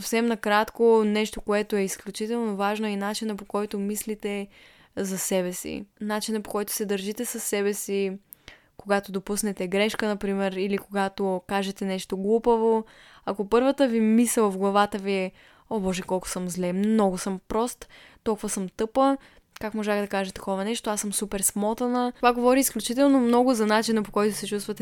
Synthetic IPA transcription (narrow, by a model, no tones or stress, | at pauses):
ofsɛmnɐkɾat̪konɛʃt̪okoɛt̪oɛisklʲut͡ʃit̪ɛlˠnovaʒnoɛnat͡ʃinəpokɔjt̪omislit̪ɛ | zɐsɛβɛsḭnat͡ʃinəpo̥kɔjt̪ʊ̥sɛd̪əɾʒit̪ɛsɐsːɛbɛsi | koɡat̪od̪opusnɛt̪ɛɡɾɛʃkənɐpɾimɛɾilikoɡat̪okaʒɛt̪ɛnɛʃt̪oɡlˠupəvo | ɐkopɤɾvət̪əvimisɛlˠvɡlˠɐvat̪əviɛ | obɔʒɛkɔlˠkʊ̥səmzlɛmnɔɡʊsəmpɾɔst̪ | t̪ːɔlˠkʊvɐsəmt̪ɤpə | kakmoʒaxd̪ɐkaʒɛt̪ɐ̥kɔvɐnɛʃt̪oasəmsupɛɾsmɔt̪ənəovaɡovɔɾiːsklʲut͡ʃit̪ɛlˠnomnɔɡʊzɐnat͡ʃinəpokɔjt̪ʊsɛt͡ʃust̪vət̪ɛ